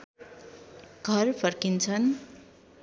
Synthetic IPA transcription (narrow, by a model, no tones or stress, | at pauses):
ɡ̥ʱʌrpʰʌrkint͡sʰʌn